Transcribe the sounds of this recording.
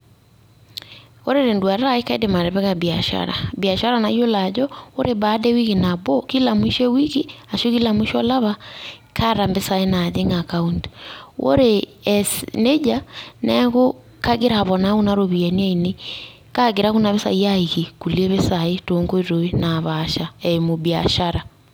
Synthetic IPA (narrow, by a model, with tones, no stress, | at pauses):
o˦ɾe˦ɾe˨ndwa˨ɾa˦e˦ka˦idema˨ɾɛ˨βɛ˦ɣa˨bi˨a˨ʃa̰ɾa̰˨bia˨ʃa˦ɾa˦na˨jo˦la˨d͡ʒɔo˦ɾe˨ba˨˦dɛ˦wi˦ɣi˨na˨bo˦ki˦la˨mwi˦ʃɛ˦wi˦ɣi˦a˨ʃo˦ki˦la˨mu˦ʃɔ˦la˦βa˦kʰa˦ɾa˨mbe˦sa˨e˦na˨ðe˦ŋa˨kaundwʔo̰˦ɾeɛsne˦d͡ʒanɛɣo˦ | ka˦ɣe˦ɾa˨βɔ˨na˦ɣu˦naɾoβi˨ɛ˨ni˦a˦ine˦ | ka˦ɡe˨ɾa˦ɣu˦na˨βe˦sa̰˨i˦ja˦iɣi˨ku˨le˦βe˦saetoŋɡo˦i˦ɾo˨e˦naβaʃa˨ɛ˨mo˨bia˨ʃaɾa